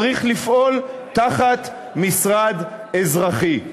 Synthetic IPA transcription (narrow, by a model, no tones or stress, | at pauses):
ʁiχlifʔo̞lt̪aχat̪ | misʁad̪ | ezʁaχi